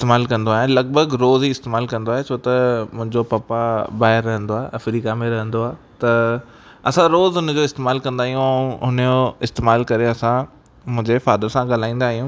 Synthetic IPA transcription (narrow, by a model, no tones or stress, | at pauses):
ɪst̪eːmaːlkɐ̃nd̪oaːɦelɐɡ̚bəɡɾoːzɦiɪst̪eːmaːlkɐ̃nd̪oaːɦet͡ɕʰoːt̪ɐmʊ̃ɦɪ̃ɲd͡ʑopɐpabaːɦɪɾːɐɦə̃nd̪oaːeʔɐfɾiːkamẽɾɐɦə̃nd̪oaːt̪ɐ | ɐsãɾoːzɦʊnəd͡ʑoɪst̪eːmaːlkɐ̃nd̪aːɦijũɛ̃ɦʊnjoɪst̪eːmaːlkɐɾeɐsã | mʊ̃ɦɪ̃ɲd͡ʑefaːd̪əɾsãɡaːl̤aːĩːnd̪aːɦijũː